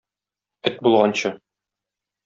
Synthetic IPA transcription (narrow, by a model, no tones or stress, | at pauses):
ɘt̪̚bulˠʁɑnɕɤ